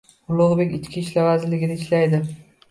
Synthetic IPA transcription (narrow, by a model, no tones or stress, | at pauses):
ʊlˠʊʁbe̞kʲɪt͡ʃkʲʰiʃlavazɪlɪɡʲɪnɪɪʃlajd̪ɪ